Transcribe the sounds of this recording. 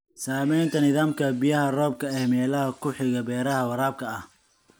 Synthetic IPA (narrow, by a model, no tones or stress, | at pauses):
saːmɛjnt̪ʰɐnɪðaːmkʰɐbijɐɦɐrɔːb̚kʰɐɛːmɛːlɐɦɐkʰʊħɪɣɐbɛːɾɐɦɐwɐɾaːb̚kʰɐɐh